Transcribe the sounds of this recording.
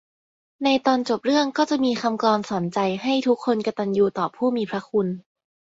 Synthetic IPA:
na˧jt̪ɔː˧nt͡ɕo˨˩p̚ɾɯ˥˩əŋkɔː˥˩t͡ɕa˨˩ʔmiː˧xʰa˧mklɔː˧nsɔː˩˦nt͡ɕa˧jɦa˥˩jt̪ʰu˦˥kʰːo˧nka˧t̪a˧njuː˧t̪ɔː˨˩pʰːuː˥˩miː˧pʰɾa˦˥kʰu˧n

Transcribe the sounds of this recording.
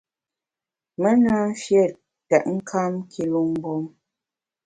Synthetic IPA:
mə˦na˦m̩˦fje˦˨ | tɛ˨ʔŋ̩˦kʰa˦mkʰi˦lu˦m˦bɔ˦m

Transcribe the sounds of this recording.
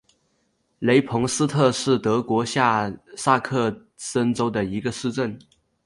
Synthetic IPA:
le˧˥ɪpʰʊ˧˥ŋsɹ̩˥t̪ʰɤ˥˧ʂɻ̩˥˩t̪ɤ˧˥kwɔ˧˥ɕja˥˩sa˥˧kʰɤ˥˩ | sə˥nʈ͡ʂo˥ʊd̪ə˨i˧˥ɡə˧ʂɻ̩˥˧ʈ͡ʂə˥˩n

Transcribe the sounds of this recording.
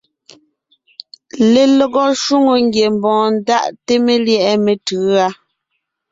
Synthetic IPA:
le˨lɔ˨ɣɔ˦ʃu˦ŋo˨ŋɡje˨m˨bɔ̃ː˨n̩˦da˦˨ʔte˦me˨ljɛ˦ʔɛ˦me˨tɯː˨˦a˦

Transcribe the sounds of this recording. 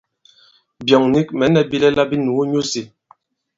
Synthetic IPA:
bjɔ˨ŋni˦k̚mɛ˨nɛ˨bi˦lɛ˦la˦bi˦nu˨˦ɲu˦si˨

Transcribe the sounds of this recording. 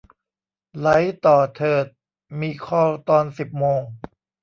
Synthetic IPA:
la˨˦jt̪ɔː˨˩t̪ʰɤː˨˩t̪̚ | miː˧kʰɔː˧˩t̪ɔː˧nsi˨˩p̚moː˧ŋ

